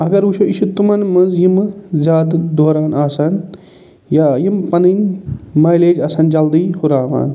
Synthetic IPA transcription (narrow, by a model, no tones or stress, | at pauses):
ɐɡɐɾuʃʰoiʃut̪umɐnmɐnzjimzʲaːd̪d̪oːɾaːnaːsɐn | jaːjimpɐninmɐːjleːd͡ʒɐsɐnd͡ʒɐld̪iːhuɾaːʋa̰ːn